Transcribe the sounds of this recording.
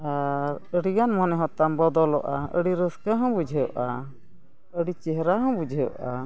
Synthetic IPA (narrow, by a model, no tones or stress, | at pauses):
aɾəɽiɡanmɔnɛɦɔ̃t̪ambɔd̪ɔlɔ̰ʔaə̰ɽiɾəskəɦɔ̃bud͡ʒʱəjɔʔa | əɽit͡ʃɛɦɾaɦɔ̃bud͡ʒʱəjʔa̰